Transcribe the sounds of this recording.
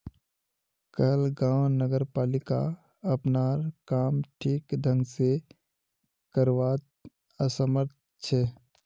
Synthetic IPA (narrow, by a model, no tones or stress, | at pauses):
kəɦlɡãːwnəɡəɾpaːlɪka̰ | əpnaːɾkaːmʈʰiːkd̪ʱə̃ŋɡse | kəɾwaːt̪ | əsəməɾt̪̚ | t͡ʃʰɛ